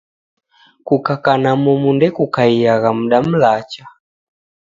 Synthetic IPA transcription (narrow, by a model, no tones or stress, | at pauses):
kukakanamɔmundɛkukaijaɣam̩ɗam̩lat͡ʃḁ